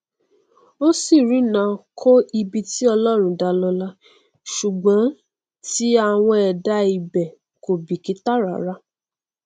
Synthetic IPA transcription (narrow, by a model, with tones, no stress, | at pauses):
o˦si˦˨ɾĩ˨˦nã˨˧˦kʰo˦i˧bi˧ti˦ɔ˧lɔ˦ɾ̃ũ˨˦da˧lɔ˧la˦ | ʃu˨ɡ͡bã˨˦ | ti˦a˧˨w̃ɔ̃˧ɛ˨da˧˦i˧bɛ˨ | ko˨bi˨ki˨˦ta˦ɾa˨˦ɾa˦